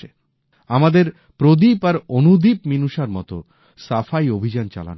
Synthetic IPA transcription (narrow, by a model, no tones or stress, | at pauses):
e | amad̪eɾ | pɾod̪ipaɾonud̪ipminuʃaɾmɔ̰t̪o̰ | safajobʱid͡ʑant͡ɕa̰la̰n